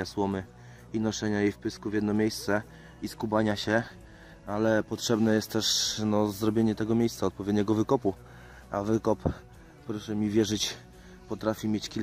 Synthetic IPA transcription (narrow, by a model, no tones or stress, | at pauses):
aswɔmɘ | inɔʂɛɲajejfpɘskuvʲjɛd̪nɔmʲjejst̪sɛ | iskubaɲaɕɛ | alɛpɔtʂɛbnɛjɛst̪t̪ːɛʂnɔzɾɔbʲjeɲɛt̪ɛɡɔmʲejssaɔt̪pɔvʲjɛd̪ɲɛɡɔvɘkɔpu | a̰vɘkɔp | pːɾɔʂɛmʲivʲjɛʐɘt͡ɕ | pɔt̪ɾafʲimʲjet͡ɕkʲil